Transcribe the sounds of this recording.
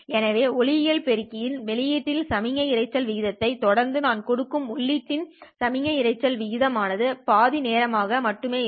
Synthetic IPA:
ɛnɐʋeːɔɭɪɪjɐlpɛɾɪkːɪjɪnʋɛɭɪjɪʈːɪlsɐmɪŋɐɪɾɐɪt͡ʃːɐlʋɪɣɪðɐt̪ːɐɪt̪ɔɽɐɾnd̪ɯnaːnkɔɽɯkːɯmʊɭːɪʈːɪnsɐmɪŋɐɪɾɐɪt͡ʃːɐlʋɪɣɪðɐmaːnɐðɯpaːðɪneːɾɐmaːɣɐmɐʈːɯmeː

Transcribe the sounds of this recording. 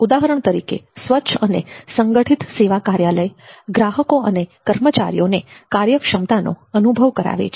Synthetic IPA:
ud̪aɦəɾəɳt̪əɾikḛsʋətːʃʰənesəŋɡəʈʰit̪seʋakaɾjaləjɡɾaɦəkoənekəɾmət͡ʃa̰ɾḭjonekaɾjəkʃəmt̪ano̰ənubʱəʋkəɾa̰ʋḛt͡ʃʰ

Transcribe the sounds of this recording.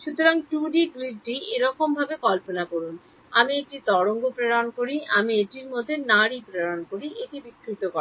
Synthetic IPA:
ʃut̪oɾaŋʈuɖiɡɾiɖʈieɾɔkombʱabekɔlponakoɾun | amiek̚ʈit̪ɔɽoŋɡopɾeɽankoɾiʔamiek̚ʈiɾmod̪ʱːenaɾipɾeɽankoɾiʔeʈibikʰːɾit̪okɔ

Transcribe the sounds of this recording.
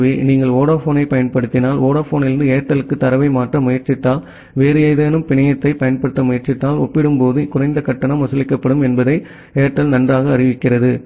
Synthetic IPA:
ʋiniːŋɡɐɭoːɽɐfoːnɐɪpɐjɐnpɐɽɯt̪ːɪnaːloːɽɐfoːnɪɾɯnd̪ɯeːʈːɐlɯkːɯt̪ːɐɾɐʋɐɪmaːʈrɐmʊjɐɾt͡ʃɪt̪ːaːl | ʋeːɾɯɐjðeːnɯmpɪɳɐjɐt̪ːɐɪpɐjɐnpɐɽɯt̪ːɐmʊjɐɾt͡ʃɪt̪ːaːlɔ̰pːɪɽɯmpoːðɯkʊrɐɪnd̪ɐkɐʈːɐnɐmʋɐsɐlɪkːɐpːɐɽɯmɛnbɐðɐɪ | eːʈːɐlnɐndraːɣɐːrɪʋɪkːɪrɐðɯ

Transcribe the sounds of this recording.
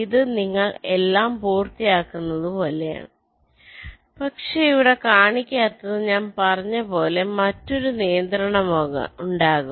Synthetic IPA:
iðɨniŋːɐɭe̞lːaːmpuːrt̪ijaːkːunːɐðɨpoɐːleja̰ | pɐkʂeijʋiɽe̞kaːɳikʲːaːt̪ːɐðɨɲaːnpɐrɐɲːɐpo̞ːle̞mɐtːo̞ɾunijɐnd̪ɾɐɳɐmɐuɳɖaːɣumm

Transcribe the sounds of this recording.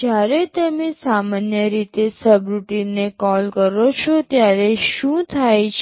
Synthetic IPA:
d͡ʒjaɾet̪əmẽsamanjəɾit̪esəbɾuʈinːekɔlkəɾot͡ʃʰot̪jaɾeʃũt̪ʰajt͡ʃʰ

